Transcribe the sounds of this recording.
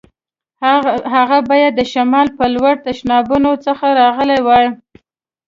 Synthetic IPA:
ɦaɣabɑjad̪ːəʃamɑlpəlwaɽ̚t̪aʃnɑbunot͡səxaɾɑɣəlajwaɽ

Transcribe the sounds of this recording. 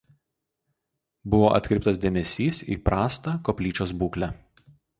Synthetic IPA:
bʊʋoːʔɐ̰t̪ʲkʲɾʲɪp̚t̪ɐsd̪ʲeːmʲɛsʲiːsḭːpɾɑːst̪ɑkɔpʲlʲiːt͡ʃʲoːsbuːklʲæ

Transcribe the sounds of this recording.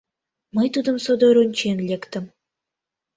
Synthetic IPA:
məjt̪ud̪ə̆msod̪oɾunʲt͡ɕenlʲekt̪ə̆m

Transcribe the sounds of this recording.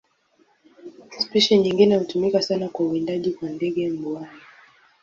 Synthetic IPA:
spiʃɛnɲiŋɡinɛhutumikasanakwauindaʄikwandɛɠɛmbwai

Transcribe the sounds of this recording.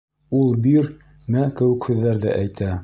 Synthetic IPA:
ulˠbiɾ | mækɘ̆wɘ̆khʉðːæɾðæʔæjt̪æ

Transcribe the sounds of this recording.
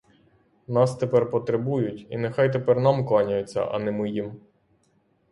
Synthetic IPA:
nɑst̪epɛrpɔt̪ɾebujʊtʲḭnɛxɑjt̪epɛrnɑmklˠɑnʲɐjet͡sʲːɐ̰ʔɐ̰nɛmɪjim

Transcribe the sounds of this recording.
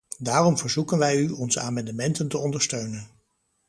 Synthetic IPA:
daːrɔmvəɹzukənʋɛjyɔnzəaːmɑndəmɛntəntəɔndəɹstøɥnən

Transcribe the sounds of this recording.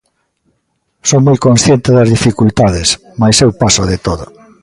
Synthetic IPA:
sowmojkonsθjent̪eðɐzðifikult̪aðɪs | majsewpasoðet̪oðʊ̰

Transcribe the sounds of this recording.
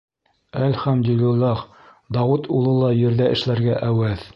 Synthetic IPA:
ælχæmd̪ɵlɘ̆lɑχ | d̪ɑwɤt̪ʰulˠɤ̆lˠɑjɘ̆ɾðæɘ̆ʃlæɾɡæʔæwæð

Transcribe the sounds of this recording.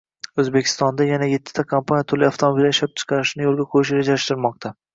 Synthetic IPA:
ɵzbekʲʰɪ̥st̪ɒnd̪ajanajet̪ʰːɪ̥t̪ʰakʰampʰanijat̪ʰʊlɪaft̪ʰomobilʃap̚t͡ʃʰɨ̥qʰɑɾɪʃnɪjolˠɡʲakʰʊɾɪʃ̬ɾed͡ʒalɪʃt̪ɪɾmɒq̚t̪ʰa

